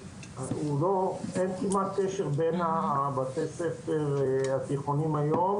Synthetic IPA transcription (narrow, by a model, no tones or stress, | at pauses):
aulo̞enkimat̪̚keʃe̞ʁbenabat̪ejsefeʁat̪iχonimajo̞m